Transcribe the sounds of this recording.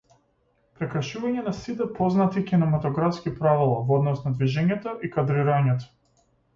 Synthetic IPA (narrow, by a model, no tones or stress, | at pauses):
pɾɛkɾʃuvaɲɛnasit̪ɛpɔznat̪ikʲinɛmat̪ɔɡɾafskipɾavilˠavɔd̪nɔsnad̪viʒɛɲɛt̪ɔʔikad̪ɾiɾaɲɛt̪ɔ̥